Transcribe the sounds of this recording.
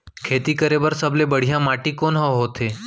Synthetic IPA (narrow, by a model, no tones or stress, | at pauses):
kʰet̪ikəɾebəɾsəblebəɽ̤ijãmaʈikonɦəɦot̪ʰe